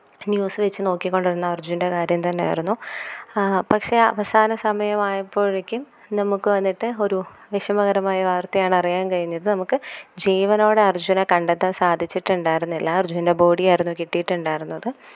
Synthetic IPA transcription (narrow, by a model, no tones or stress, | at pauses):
njuːsɨʋet͡ɕːɨno̞ːkːikʲːo̞ɳɖiɾunːɐɐrd͡ʑunde̞kaːɾjɐmt̪ɐnːeja̰ːjiɾunːu | pɐkʂe̞ɐ̰ʋɐsaːnɐsɐmɐjɐmaːjɐpːo̞ːɻɭikʲːum | nɐmukːɨʋɐnːiʈːɨo̞ɾuʋiʂɐmɐɣɐɾɐmaːjɐʋaːrt̪ɐjaːɳɨɐrijaːnkɐjunːɐðɨnɐmukːɨd͡ʑiːʋɐno̞ːɽeɐrd͡ʑunɐkɐɳɖet̪ːɐnsaːd̪ʱit͡ɕːiʈːuɳɖaːjiɾunːilːɐɐrd͡ʑuninde̞bo̞ːɽijaːjiɾunːukiʈːijiʈːuɳɖaːjiɾunːɐðɨ